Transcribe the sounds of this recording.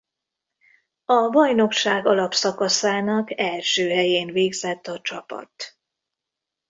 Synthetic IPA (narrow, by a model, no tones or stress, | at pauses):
ɒbɒjno̞kʃaːɡɒlɒpsɒkɒsaːnɒkɛlʃøːɦɛjeːnveːɡzɛt̪ːɒt͡ʃɒpɒ̰t̪